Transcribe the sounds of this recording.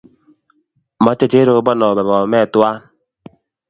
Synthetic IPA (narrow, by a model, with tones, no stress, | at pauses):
mɔ˦t͡ʃe˦t͡ʃe˦ɾo˦bɔ˦nɔ˨bɛ˨bɔ˨mɛ˦˨tu˦a˦